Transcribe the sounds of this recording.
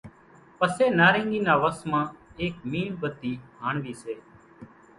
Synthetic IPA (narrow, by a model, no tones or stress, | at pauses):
pəseːnaːɾẽːŋɡiːnaːʋəsmãːeːkmiːɳbət̪iːɦaːɳʋiːseː